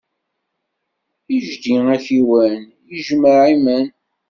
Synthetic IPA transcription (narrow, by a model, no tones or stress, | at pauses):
iʒd̪iŋæçiwæn | jəʒməʕimən